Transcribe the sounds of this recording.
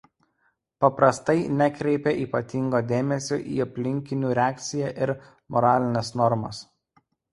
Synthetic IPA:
pɐpɾɐst̪ɐɪnʲɛkɾʲɛɪpʲɛʔiːpɐt̪ʲɪŋɡoːd̪ʲeːmʲɛsʲo̰ʔḭːɐpʲlʲɪŋʲkʲɪnʲuːɾʲɛæːk̚t̪sʲɪjæʔɪɾ | mɔɾɑːlʲɪnʲɛsnɔɾmɐ̰s

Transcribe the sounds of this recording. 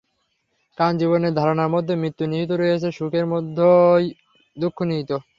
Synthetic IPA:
kand͡ʑiβoneɾd̪ʱaɾonaɾmod̪ʱːemɾit̪ːuniɦit̪̬oɾojet͡ɕʰeʃukeɾmod̪ʱːoj | d̪ukʰːoniɦit̪o

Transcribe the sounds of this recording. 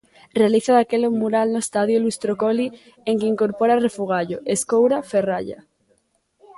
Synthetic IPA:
realiθaðakelomuɾalnoest̪aðjolust̪ɾokoli | eŋkeiŋkoɾpoɾarefuɣ̞aʎoʔeskowɾaferaʎa̰

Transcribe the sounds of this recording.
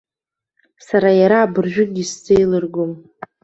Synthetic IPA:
saɾajaɾaːbɨrʒᶣʊnist͡sejlɨrɡom

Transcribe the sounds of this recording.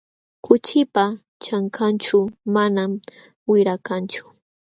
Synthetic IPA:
kʊt͡ʃɪpa | t͡ʃaŋkʰant͡ʃʊmanam | wɪɾakant͡ʃʊ̥

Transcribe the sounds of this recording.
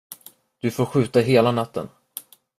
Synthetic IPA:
d̪̥ɵfoːɾɧʉ̟ːt̪aɦeːlanat̪ːə̰n

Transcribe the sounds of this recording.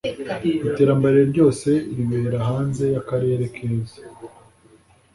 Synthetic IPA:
ite̞ːɾambaɾeɾɟo̞ːse̞iɾiβe̞ːɾahaːnze̞jakaɾe̞ːɾe̞kʰezḁ

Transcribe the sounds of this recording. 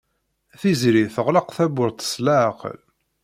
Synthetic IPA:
θizɾiθəʁləqθæbʊɾθə̥slaʕqə̰l

